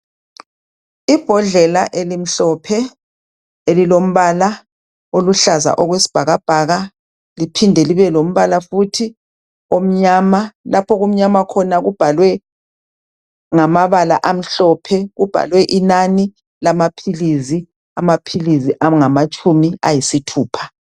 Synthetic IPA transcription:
ib̥ʱɔɮɛlaʔelim̩ɬɔpʰɛ | elilom̩βala | oluɬaza̰ʔɔɣwesi̥b̥ʱaɣab̥ʱaɣa | lipʰindʱɛliβɛlom̩βalafutʰi | om̩ɲamalapʰɔɣom̩ɲamakʰɔnaɣub̥ʱalwɛ | ŋamaβala̰ʔam̩ɬɔpʰɛɣub̥ʱa̰lwɛʔinani | lamapʰilizi | amapʰiliziʔaŋamat͡ʃʼumia̰jisitʰuːpʰḁ

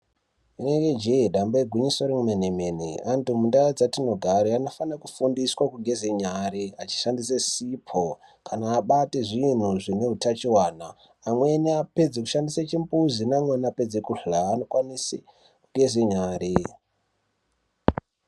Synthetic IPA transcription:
ineked͡ʒeɗamboeɡʱiɲisoɾeŋumenemenḭantumundaad͡zatino̞ɡʱaɾeano̞fanakufundiswakuɡʱe̞zeɲaɾeat͡ʃi̥ʃandisesipʰo | kanaːɓateʐin̤uʐineutat͡ʃiwaːnaː | mwe̞niaped͡zeku̥ʃandiset͡ʃimbuzinamwenape̞d͡zekuɬaːno̞kwanise | kuɡʱe̞zeɲaːɾe

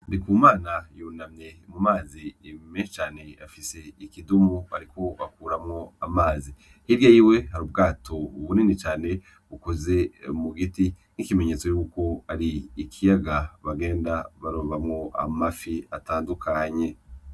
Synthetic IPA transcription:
ndikuːmaːnajuːnamɲe̞mumaːzimeːnʃot͡ʃaːne̞afise̞ikidumua̰ɾikʰo̞akuːɾamŋo̞amaːzi | hiɾjajiwe̞haɾub̚ɡaːtʰo̞uβuninit͡ʃaːne̞ | ukozemuɡiti | nikime̞ɲe̞t͡so̞juːko̞aɾiikʰijaɡaβaɡe̞ːndaβaɾoːβamŋo̞ʔa̰mafiataːndukʰaɲe̞

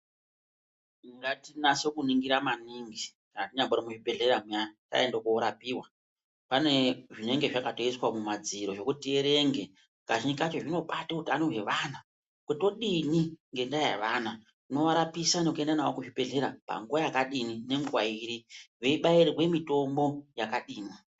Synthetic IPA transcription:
iŋɡatinasekuniŋɡiɾamaniŋɡikanatiɲamboɾimuʐipe̞ɮe̞ɾamata̰endokuoɾapiːwa | pane̞ʐine̞ŋɡe̞ʐakato̞iswamumad͡ziɾo̞ʐo̞kutieɾe̞ŋɡe̞ | kaʐinikat͡ʃo̞ʐino̞ɓatekutanoɦe̞ʋaːna | kuto̞ɗiniŋɡe̞ndaja̰ʋana | no̞ʋaɾapisanekue̞ndanawokuʐipe̞ɮe̞ɾapa̰ŋɡuʋajakaɗinine̞ŋɡuwaiɾiʋe̞iɓaiɾiwe̞mito̞mbo̞jakaɗiːni

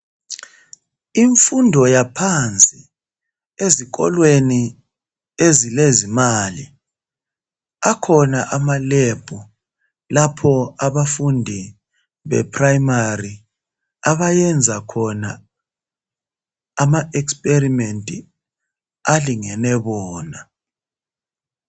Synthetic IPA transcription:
iɱfundʱɔjapʰant͡sʼi | ezik̬ɔ̰lweni | ezilezimalḭ | akʰɔnaʔamaleb̥ʱu | lapʰɔaβafundʱi | βɛ̰pʰʼrajmari | aβajɛnd͡zʱakʰɔna | maʔɛkspʼerimentʼḭ | aliŋɛnɛβɔːna

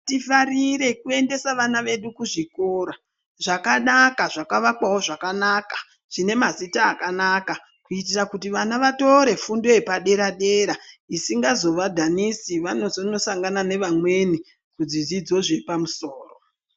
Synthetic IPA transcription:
tifariɾe̞kue̞nde̞saʋanaʋe̞ɗukuʐiko̞ːɾa | ʐakanakaʐakaʋakwawo̞ʐakanaːkḁ | ʐ̥ine̞mazitaːkanaka | kuit̬irakutiʋanaʋato̞ɾe̞fundo̞epaɗe̞ɾaɗe̞ɾaisiŋɡazo̞ʋadʱanisiʋano̞zono̞saŋɡanane̞ʋamwe̞ni | kud͡zid͡zid͡zo̞ʐiipamusoːro

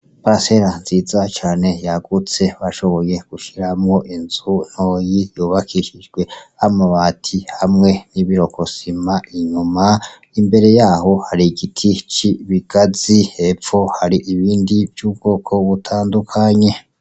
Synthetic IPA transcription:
pase̞ɾanziːzat͡ʃaːne̞jaɡut͡se̞βaʃo̞βo̞je̞ɡ̥uʃiɾamŋo̞ʔinzun̥hojijuːβakʰiʃid͡ʒɡwe̞amaβatʰihamŋe̞niβiɾo̞kʰo̞simaiɲuma | imbe̞ɾe̞jaːho̞haɾiɡitʰit͡ʃiβiɡ̥azihefo̞haɾiʔiβiːndivjuːbɡ̥o̞ːkʰo̞βutʰaːndukʰaɲe̞

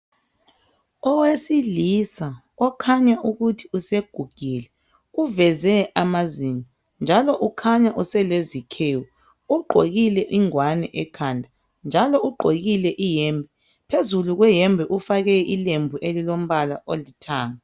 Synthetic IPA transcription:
ɔwesilisa | ɔkʰaɲaʔuɣutʰiuseɡ̥ʱuɡ̥ʱilɛ | uvɛzɛamazinɔ | nd͡ʒʱalɔʔukʰaɲaʔusɛlezikʰeːwɔ | uɡ͡ǃʱoɣilɛʔiŋwanɛʔɛkʰandʱa | nd͡ʒʱalɔuɡ͡ǃʱoɣilɛʔijɛːmbʱɛ | pʰezuluɣwɛjɛmbʱɛʔufaɣɛilembʱuʔelilom̩βalaʔolitʰaːŋa

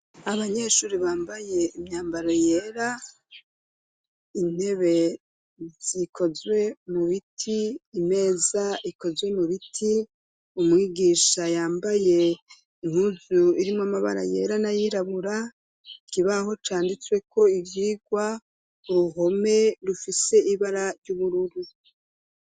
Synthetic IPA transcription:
aβaɲeʃuːɾiβaːmbaje̞imɲaːmbaɾoje̞ːɾa | in̥he̞βe̞ | z̥ikʰo̞zwe̞muβitʰiːme̞ːzaiko̞zwe̞muβitʰi | umŋiːɡiʃajaːmbaje̞ | iŋ̥huzuiɾimamaβa̰ɾa̰je̞̰ːɾanajiɾaβuɾa | kiβaho̞t͡ʃaːndit͡swe̞kʰo̞ivjiːɡwa | uɾuɦo̞me̞ɾufise̞ʔiβaɾaɾɟuβuɾuɾu

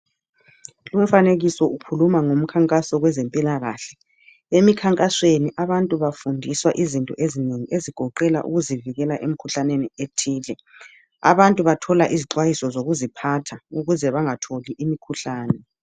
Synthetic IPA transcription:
lum̩faneɣisɔukʰulumaŋom̩kʰaŋkʼasɔɣwɛzempʼilaɣaɬɛ̥ | emikʰaŋkʼasweniʔaβantʼuβafundʱiswaʔizintʼɔ̰ʔezineŋiʔeziɡ̥ʱɔǃɛla̰ʔṵɣuziviɣɛlaʔem̩kʰuɬanenietʰiːlɛ | a̰βantʼuβatʰɔlaʔiziǃwajisɔzoɣuzipʰatʰauɣuzɛβaŋatʰoliʔimikʰuɬaːnɛ

